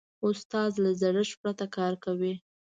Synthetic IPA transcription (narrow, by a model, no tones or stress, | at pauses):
ʊst̪ɑzlazaɽəʃpɾat̪akɑɾkawi